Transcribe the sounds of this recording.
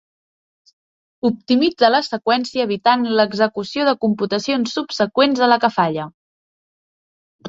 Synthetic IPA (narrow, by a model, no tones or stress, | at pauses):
up̚t̪imid͡zələsəkwɛnsiəːβit̪anləɡzəkusioðəkumput̪əsionsːupsəkwenzðələkəfaʎə